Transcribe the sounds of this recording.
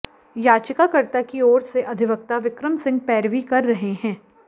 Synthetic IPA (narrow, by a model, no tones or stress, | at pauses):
jaːt͡ʃɪkakɐɾt̪akiɔːɾseʔɐd̪ʱɪʋək̚t̪aʋɪkɾəmsɪ̃ŋɡ̚pɛːɾʋikɐɾːɐɦeɦɛ̃ː